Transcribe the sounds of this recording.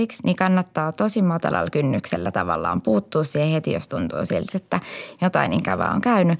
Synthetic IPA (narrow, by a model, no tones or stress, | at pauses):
iksnikɑnːɑt̪ːɑːt̪osimmɑt̪ɑ̰lɑ̰lkynːykselːæt̪ɑʋɑ̰lːɑ̰ːmpuːt̪ːuːssihehet̪ijo̰st̪unt̪ṵːsilt̪et̪ːæjot̪ɑiniŋkæʋæ̰o̰ŋkæyny